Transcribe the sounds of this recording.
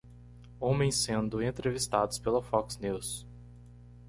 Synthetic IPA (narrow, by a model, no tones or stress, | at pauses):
õmẽj̃sẽnd̪ʊẽnt̪ɾevist̪ad̪ʊspelɐfɔksniws